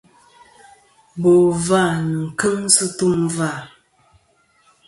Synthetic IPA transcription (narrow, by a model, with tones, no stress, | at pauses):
bo˨va˦˨nə˨ŋ̩˨kə˦ŋsɨ˦tu˦mva˦˨